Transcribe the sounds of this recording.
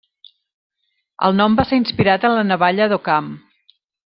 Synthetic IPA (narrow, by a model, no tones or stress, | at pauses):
ə̰lˠnɔmbaseɾinspiɾat̪ənlənəβaʎəðokam